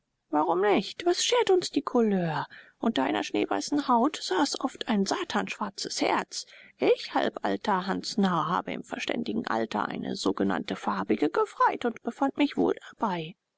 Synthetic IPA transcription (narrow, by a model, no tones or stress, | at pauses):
vaʁʊmnɪçtv̥asʃeːɐtʊnsd̥iːkʰʊløːɐʔʊntɐʔaɪnɐʃnḛːva̰ɪsn̩haʊtz̥aːsʔɔftaɪnzaːtʰaːnʃv̥aɐt͡səshɛ̰ɐt͡sʔɪçha̰lpʔa̰ltʰɐɦansnaha̰ːbəɪ̰mfɛɐʃtɛ̰ndɪɡŋ̩ʔa̰ltɐ̰ʔa̰ɪnʔə̰zoːɡəna̰ntəfaɐbɪɡəɡəfʁ̥aɪtʊntb̥əfantmɪçv̥o̰ːldab̥aɪ